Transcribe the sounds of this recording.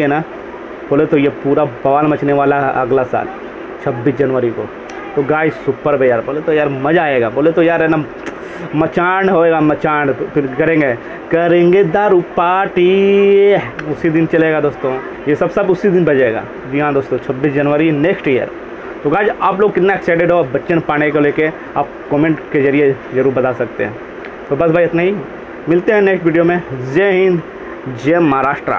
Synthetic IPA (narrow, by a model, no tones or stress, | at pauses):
ena | b̥oːlet̪ojepuːɾabɐʋaːnmɐt͡ʃneʋaːlaɦɛ̰ʔɐ̰ɡlasa̰ːl | t͡ʃʰɐbːiːsd͡ʒɐnʋəɾiko̰ | t̪oɡaːd͡ʒsʊpːəɾbʱejaːɾboːlet̪ojaːɾmɐd͡ʒaːeːɡaːboːlet̪ojaːɾɛna | mɐt͡ʃaːɳɖɦoːeːɡamɐt͡ʃaːɳɖpʰɪɾkɐɾẽːŋɡe | kɐɾẽːŋɡed̪aːɾʊpaːʈi | ʊsid̪ɪnt͡ʃɐleːɡad̪oːst̪õː | jesɐbsɐbʊsid̪ɪnbɐd͡ʒeːɡa̰ː | d͡ʒiɦãd̪oːst̪õːt͡ʃʰɐbːiːs̬d͡ʒɐnʋəɾineːksʈijə̰ɾ | t̪oɡaːd͡ʒaːp̬loːɡ̚kɪt̪naɛkseːʈeɖɦobɐtːʃənpaːɽ̃ekoleːke | a̰ːp̚kɔːmẽːɳʈkezɐɾied͡ʒɐɾuːɾbɐd̪asɐkt̪ḛɦɛ̰̃ː | t̪obɐsbʱaːiɪt̪naɦi | mɪlt̪eɦɛ̃neːksʈʋiːɖijomẽzeɦɪ̃nd̪ | d͡ʒemɐɦaɾaːʃʈɾa̰